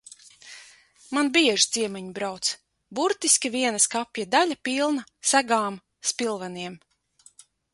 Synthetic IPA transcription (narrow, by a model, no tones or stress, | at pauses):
manbiɛʒit̪z̥iɛmɛɲbɾawt̪s | buɾt̪iskʲiviɛnaskapjad̪alʲapilˠnasæɡaːm | spilˠvaniɛm